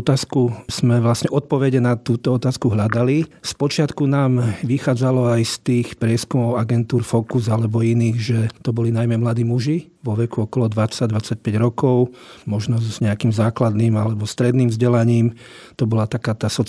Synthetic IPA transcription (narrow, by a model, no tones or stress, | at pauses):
t̪aːskuz̥mɛʋlasɲɛʔɔt̪̚pɔʋɛɟɛnat̪uːt̪ɔɔt̪aːskuɦʎad̪alispɔt͡ʃɪat̪kunaːmʋixaːd͡zalɔajst̪iːxpɾɪɛskumɔʊaɡɛnt̪uːɾfɔkuzalɛbɔiniːɣʒɛt̪ɔbɔlinajmɛmlad̪iːmuʒi | ʋɔʋɛkuɔkɔlɔd̪ʋat͡saɟ̚d̪ʋat͡sac̚pɛɟɾɔkɔʊmɔʒnɔzɲɛakiːmzaːklad̪niːmalɛbɔst̪ɾɛd̪niːmvzɟɛlaɲiːm | t̪ɔbɔlat̪akaːt̪aːsɔ